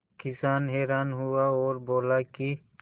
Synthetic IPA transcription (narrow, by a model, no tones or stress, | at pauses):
kɪsaːnɦeːɾaːnɦʊaoːɾboːlaki